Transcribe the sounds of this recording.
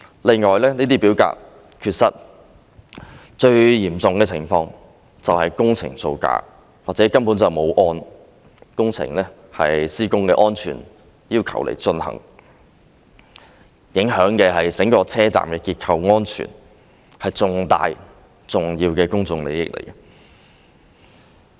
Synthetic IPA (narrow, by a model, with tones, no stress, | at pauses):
lɪ˨˩ŋɔː˨˩jlɛː˥niː˥t̪iː˥piː˨˥wka̰ː˧k̚ | kʰyː˧t̚sɐ˥t̚ | t͡ʃɵ˧ɥjiː˨˩mt͡sʊ˨ŋkɛː˧t͡sʰɪ˨˩ŋfɔː˧ŋ | t͡sɐ˨whɐ˨jkʊ˥ŋt͡sʰɪ̰˨˩ŋso˧wka̰ː˧ | waː˨k̚t͡sɛː˨˥kɐ˥npu˨˥nt͡sɐ˨wmo˨˧wʔɔː˧n | kʊ˥ŋt͡sʰɪ̰˨˩ŋlɛː˥ | hɐ˨jsiː˥kʊ˥ŋkɛː˧ʔɔː˥nt͡ʃʰy̰ː˨˩n | jiː˥wkʰɐ̰˨˩wlḛ˨˩jt͡sɵ˧nhɐ̰˨˩ŋ | jɪ˨˥ŋɦœː˨˥ŋkɛː˧hɐ˨jsɪ˨˥ŋkɔː˧t͡sʰɛː˥t͡sa̰ː˨mkɛː˧kiː˧t̚kʰɐ˧wŋɔː˥nt͡ʃʰy̰ː˨˩n | hɐ˨jt͡sʊ˨ŋt̪a̰ː˨j | t͡sʊ˨ŋjiː˧wkɛː˧kʊ˥ŋt͡sʊ˧ŋle˨˧jɪ̰˥k̚lʔḛ˨˩jk